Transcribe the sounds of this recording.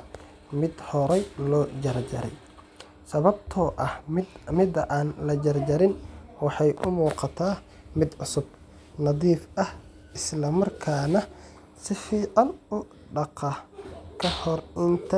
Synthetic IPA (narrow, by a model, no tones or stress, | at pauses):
mɪd̪hɔɾɛjlɔːd͡ʒɐrd͡ʒɐ̰ɾɛ̰j | sɐβɐb̚t̪ʰɔːʔɐhmmɪd̪ɐʔaːnlɐd͡ʒɐrd͡ʒɐɾɪnwɑħɑjʔʊmuːqɑt̪ʰaː | mɪd̪ʕʊsʊb̚ | nɑðiːfʔɐh | ʔɪslɐmɐrkʰaːnɐ | sɪfiːʕɑnʊ | ɖɑqɐkʰɐhɔrɪnt̪ʰɐ